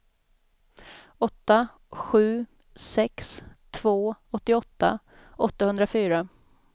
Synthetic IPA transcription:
ɔt̪ːa | ɧʉ̟ː | sɛkst̪ʰvoːɔt̪ːɪɔt̪ːa̰ | ʔɔt̪ːahɵnd̪ɾafyːɾa

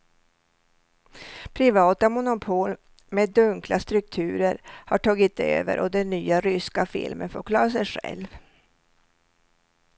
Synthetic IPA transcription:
pʰɾɪvɑːt̪amʊnʊpʰoːl | meːd̪ɵŋklast̪ɾɵk̚t̪ʰʉ̟ːɾəɾhaʈʰɑːɡɪt̪ø̰ːvə̰ɾʔɔd̪ɛnːyːaɾʏskafɪ̰lmə̰nfoːɾkʰlɑːɾas̬ɛjɧɛ̰lv

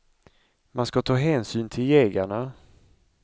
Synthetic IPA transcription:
manskat̪ʰɑːɦɛːnsyːnt̪ʰɪljeːɡaɳa

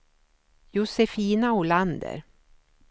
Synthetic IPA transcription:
jʊsɛfiːnaʊland̪ə̰ɾ

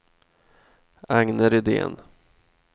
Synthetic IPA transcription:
aŋnəɾɪd̪ḛːn

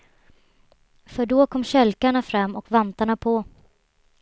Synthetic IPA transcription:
fœɖɔkʰɔmːɕɛlkaɳafɾamːɔkvɛnt̪aɳapʰɔ

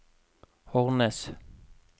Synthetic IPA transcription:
hɔʁnɛs

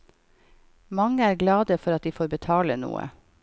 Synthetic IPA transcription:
mɑŋəæːɾɡlɑːd̪əfɔɾɑt̪̚d̪iːfoːɾbət̪ʰɑːlənṵːə̰

